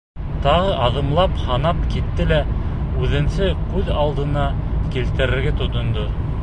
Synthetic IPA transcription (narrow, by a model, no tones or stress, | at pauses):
t̪ɑʁɤʔɑðɤ̆mlˠɑphɑnɑpkit̪ːɘlæ | ʉðɘ̆nsɘkʉðɑlˠd̪ɤ̆nɑkilt̪ɘ̆ɾɘ̆ɾɡɘt̪ŏt̪ŏnd̪o